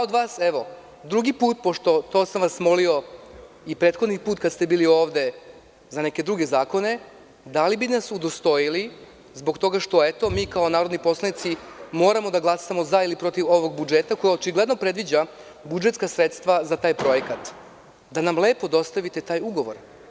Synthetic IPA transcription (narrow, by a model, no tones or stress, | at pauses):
od̪ʋaːseʋo̞ | d̪ɾuɡipuːt̪̚po̞ʃt̪o̞t̪o̞ːsamʋasmo̞lio̞ | ipɾe̞ːt̪xo̞d̪nipuːt̪kad̪st̪e̞biːlio̞ːʋd̪e̞ | zane̞ke̞d̪ɾuɡe̞zaːko̞ne̞ | d̪alibinasud̪o̞st̪o̞jili | zbo̞kt̪o̞ɡaʃt̪o̞et̪o̞miːkao̞naːɾo̞d̪nipo̞slˠanit̪simo̞ːɾamo̞d̪aɡlˠasamo̞zailipɾo̞t̪iʋo̞ʋo̞ɡ̚bud͡ʒet̪ako̞jaot͡ʃiɡle̞d̪no̞pɾe̞d̪ʋid͡ʑa | bud͡ʒe̞t̪skasɾet̪st̪ʋazat̪aːjpɾo̞jekat̪ | d̪anamle̞ːpo̞d̪o̞st̪aʋit̪et̪aːjuɡo̞ʋo̞̰ɾ